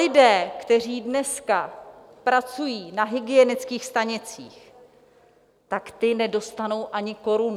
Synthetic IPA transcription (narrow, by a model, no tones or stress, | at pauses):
ɪdɛːkt̪ɛr̝iːdnɛska | pɾat͡sujiːnaɦɪɡɪjɛnɪt͡skiːxst̪aɲɪt͡sḭːx | t̪akt̪ɪnɛdo̞st̪ano̞wʔaɲɪko̞ɾun